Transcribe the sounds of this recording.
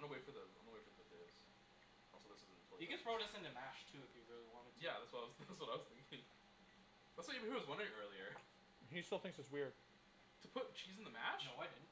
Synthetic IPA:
məweɪfə˞ðəz̰̃nðəweɪfə˞ðkʰʊt̪̚ðez̥ | ɔ̰lˠsoðɪsɨzɨpʰɔhiɡɛtsɹ̥oʊɾʌsɨ̃nɨmæʃtʰʉɨvjʉðoðəwʌ̃njæðætswʌɾaɪwʌzðætswʌɾaɪwʌz̥θɪ̃ŋkɪ̃ŋ | ðætswʌəwʌzwʌ̃naɪɾɜ˞lˠiə˞ | histɪlˠθɪ̃ŋksɨtswɪɹd̥̚ | tʰəpʰʊt̚t͡ʃʰizn̩ðɨmæʃnoʊwaɪdɪdⁿn̩

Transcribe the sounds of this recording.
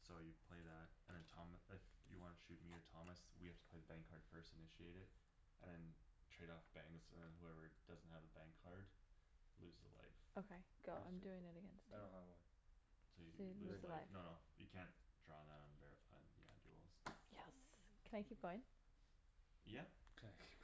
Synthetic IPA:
soʊjɨpʰl̥eɪðæt̚ɨ̃nðɨ̃ntʰɑ̃mɪfjɨ̰wɑ̃nɨʃʉt̚miə˞tʰɑmɨswihæftə̥pʰl̥eɪðəbæ̃ŋkʰɑɹd̥fɜ˞stɨnɪʃieɪɾɨd | ʔɨ̃nðɨ̃ntʰɹ̥eɪɾɔfb̥æ̃ŋksə̰˞ðɨ̃nhuɛvə˞ɨd̥ʌzn̩t̚hɨvəbæ̃ŋkʰɑɹdlʉzðə̰la̰ɪfoʊkʰeɪɡ̥oʊãɪ̃mdʉɪ̃ŋɨɾɨɡɛ̃nstdõʊ̃nhəva | soʊjɨolʉzðəlaɪɪfnoʊnoʊjɨ̰kʰæ̃nd̥ɹɔ̃nðəɾ̃n̩vɛɹɨfãɪ̃njɨa̰dṵl̩ˠz̥jɛskʰɨ̃naɪkʰip̚ɡ̥õɪ̃n | jækʰk

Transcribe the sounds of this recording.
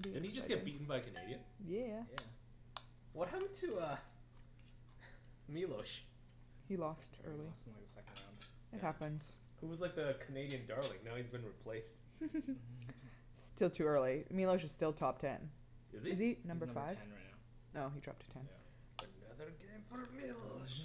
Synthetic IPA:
biɨ̃nid͡ʒʌsɡɛb̥iʔn̩baɪkʰɨneɪɾiɨ̃njæjæ | wʌt̚hæpɨ̃n̩tʰɨʌ | milˠoʊʃ | hilɔstʰɜ̰˞lˠisaɪkəsɛkñ̩ | ɨt̚hæpɨ̃nz̥ | huwʌzlaɪk̚ðɨkʰɨneɪɾiɨ̃ndɑɹlˠɪ̰̃ŋnoʊhizbɨ̃nɹipʰl̥eɪst | stɪlˠtʰʉɜ˞lˠimilˠoʊʃɨz̥stɪlˠtʰɑp̚tʰɛ̰̃n | ɪzɨzinʌ̃mbə˞faɪṽnɹaɪtnaʊ | noʊidɹ̥ɑ̰p̚tʰɨ̥tʰɛ̃næ̰ | ɨnʌðə˞ɡẽɪ̃ɱfə˞milˠoʊʃ

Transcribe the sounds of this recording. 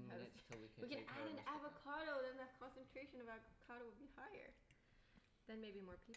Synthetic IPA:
aɪʌwikɨ̃naɪɾɨ̃nævəkʰɑɾoʊðɨ̃nðɨt̚kʰɑ̃nsɨ̃ntʰɹ̥eɪʃɨ̃nʌvækʰɑɾoʊwəd̚bihaɪə̰˞ | ðɨ̃nmeɪbimɔɹpʰip

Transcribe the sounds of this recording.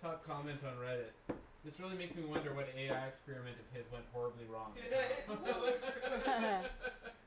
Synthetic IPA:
tʰʌp̚kʰɑmɛ̃ntn̩ɹɛɾɪt̚ | ðɨsɹɪlˠimeɪksmiwʌ̃ndə˞wʌɾeɪaɪɨkspɛɹɨmɨ̃ntʌv̥ɪzwɛ̃nʔ̚hɔɹəbliɹɔ̃ŋs

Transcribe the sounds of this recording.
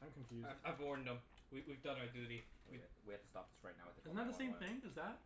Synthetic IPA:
ãɪ̃mkɨ̃ɱfjʉaɪvaɪvɔɹn̩də̃mwiwivdʌ̃naə˞dʉɾiiwiævtʰə̥stɑ̰p̚ðɪsɹaɪtⁿnaʊə̰t̪ðəɨznət̪̚ðəsẽɪ̃mθɪ̃ŋdʌzðæt̚

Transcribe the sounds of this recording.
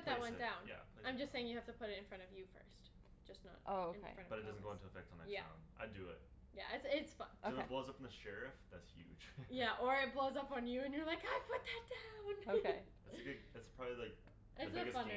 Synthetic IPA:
ʌt̪̚ðɨt̚wɛ̃ndãʊ̃njæ̰pʰl̥iãɪ̃md͡ʒʌstseɪɪ̃ŋjɨhæftɨpʰʊɾɨɾɨ̃nfɹʌ̃ñʌvjɨfɜ̰˞st | d̥ʒ̥ʌsnə̰t̚ʔoʊõḛɹʌ̃tʌb̥ʌɾɨt̚d̥ʌzn̩ɡoʊɪ̃ntuəfɛk̚tn̩ðɨ̰jæã̰ʊ̃nʔa̰ɪdɨɪ̰t̚ | jæ̰ʔɪtsɪtsfʌ̰̃nsob̥loʊzʌpn̩ðɨʃɛɹɪfðætshjʉ̰d̥ʒ̥jæʔə˞ɪt̚b̥loʊzʌpn̩jɨɨ̃njə˞laɪkaɪ̥pʰʊt̪̚ðɨt̚d̥ãʊ̃noke | ɨɡʊdɨtspʰɹ̥ɑbblilaɪk̚ | ʔɪsəfʌ̃n

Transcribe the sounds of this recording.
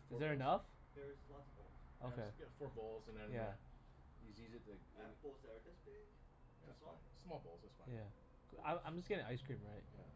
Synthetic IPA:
ɨzðə˞ɨnʌf | ðə˞ɨzlɑtsʌvbolˠz̥ʔoʊkʰeɪɡɛtfɔɹbɔlˠzə̃nðɛ̃njæ | jɨzizɨt̚ðɨə̃b̥olˠzðəd͡ʒɪsb̥ɪɡ̥ | ʌsfãnsmɔlˠboʊlˠzʌsfãjæ | kã̰ɪ̃mãɪ̃md͡ʒʌsɡ̥ɛɾɪ̃ŋaɪskɹ̥ĩmɹaɪt̚jæ̰

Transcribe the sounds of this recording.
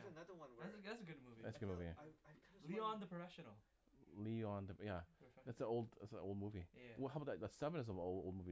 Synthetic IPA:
nwðæsðætsɨɡʊd̚muviðætsəɡʊd̚muviɛliə̃nðəpʰɹ̥əfɛʃɨnl̩ˠ | liɔ̃nðəjæðætsəoʊlˠd̪̚ðætsə̃no̰lˠd̚muviwɦaʊbðɨðətsɛvə̃nəzəoʊlˠdo̰ʊlˠd̚muvi

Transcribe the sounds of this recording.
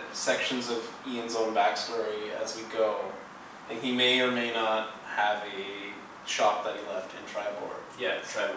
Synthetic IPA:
sɛkʃɨ̃nzʌv | iɨ̃nzõʊ̃nbæksb̥ɛɹiɨzwiɡoʊ | laɪkhimeɪə˞meɪnət̚ | həvɨ | ʃɑp̚ðɨt̚hilɛftɨ̃ntʰɹ̥aɪbɔ̰ɹd̥̚jætʰɹ̥aɪ

